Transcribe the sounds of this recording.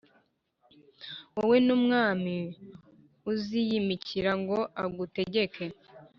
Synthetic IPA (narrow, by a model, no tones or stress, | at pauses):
wawe̞numŋaːmi | uzijimiciɾaŋɡo̞ʔaɡute̞ɟe̞kʰe̞